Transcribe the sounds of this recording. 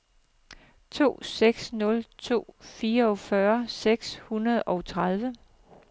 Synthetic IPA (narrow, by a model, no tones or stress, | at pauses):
t͡sʰo̝̰ːseɡ̥snɔ̽lt͡sʰo̝̰ːfiːɐɒ̽fɶɐseɡ̥shunɐðˠɒ̽ʊt͡sʰʁað̞ˠʋə